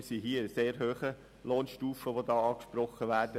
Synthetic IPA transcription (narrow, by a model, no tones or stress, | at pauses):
siɦiːəseːɾɦøːχə | loːnʃtuːfəʋodɑːɑːkʃprɔχːəʋæːɾd̥ə